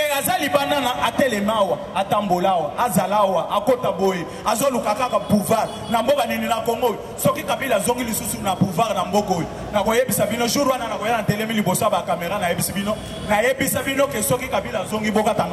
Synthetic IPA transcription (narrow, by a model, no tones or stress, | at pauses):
eazalibananaʔatɛlɛmawaatambolawaazalawaʔakotaboje | azolukakakapuvaʁnambokanininakoŋɡoisɔkikabilzoŋɡilisusunapuvaʁnambokoje | nakojebisabinoʒuʁwananakojanatɛlɛmilibosojabakameʁanajebisibino | najebisabinokesɔkikabilazoŋɡibokata